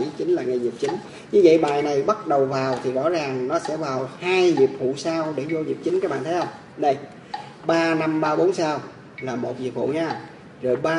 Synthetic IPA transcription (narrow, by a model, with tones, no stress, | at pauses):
t͡ɕï˨˦ŋ̟laː˨˩ŋa˨˩zi˨˩əp̚t͡ɕï˨˦ŋ̟ | ɲɨ˧və̰˧˨jɓaː˨jna˨˩jɓə˦˥t̚ɗə˨˩wvaː˨˩wt̪ʰi˨˩zɔ̰˧˥zaː˨˩ŋnɔ˨˦sɛ̰˧˥vaː˨˩whaː˧jzi˨˩əp̚fṵ˧˨saː˧wɗe˧˩zo˧ɲḭ˨˩əp̚t͡ɕï˨˦ŋkaː˦˥k̚ɓa̰ː˧˨nt̪ʰhə˧wŋ͡m | nə˧˩j | ɓaː˧na˧mɓaː˧ɓo˨˦nsaː˧w | laː˨˩mo˨˩t̚ɲḭ˨˩əp̚fṵ˧˨ɲaː˧ŋ͡m | zo˨˩jɓaː˧